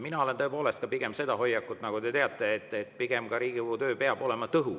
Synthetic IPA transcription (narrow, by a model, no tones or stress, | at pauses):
minɑo̞le̞nt̪ɤ̞epo̞ːle̞st̪kɑpiɡ̥e̞mse̞d̪ɑho̞jːɑkːˑut̪ːˑnɑɡ̥ud̪e̞t̪eɑt̪ːˑe̞ːt̪ːˑet̪ːˑpiɡ̥e̞mkɑɾiːɡ̥iuːt̪øːpeɑb̥o̞le̞mɑt̪ɤɦu